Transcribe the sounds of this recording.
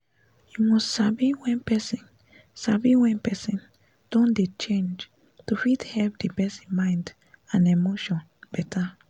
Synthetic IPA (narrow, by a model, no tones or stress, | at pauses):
jumɔstsabiwɛ̃npɛsĩn | sabiwɛ̃npɛsĩn | d̥ɔ̃ndet͡ʃẽnd͡ʒ | tufithɛlp̚dibɛsĩnmãɪ̃nd | ãnemoʃɔ̃n | bɛtʰa